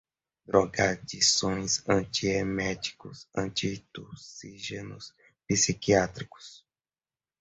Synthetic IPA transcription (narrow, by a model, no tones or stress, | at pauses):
d̪ɾɔɡaɾd͡ʒisõj̃zɐ̃nt͡ʃiemɛt͡ʃi̥kʊsɐ̰̃nt͡ʃit̪osiʒenʊs | pisikiat̪ɾikʊ̥s